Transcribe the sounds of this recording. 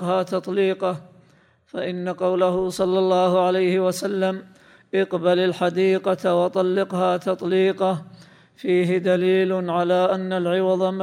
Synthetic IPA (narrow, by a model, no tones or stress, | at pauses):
qhaːt̪ɑt̪ˤliːqɑ | faʔɪnːaqɑwlaɦʊsˤɑlːɑlːɑːhʊʕalajhɪwasalːam | ʔɑqbalalħad̪iːqɑt̪wɑt̪ˤɑlːɪqhaːt̪ɑt̪ˤliːqɑ | fiːɦɪd̪aliːlʕalaːʔanːalʕɪwɑðˤɑm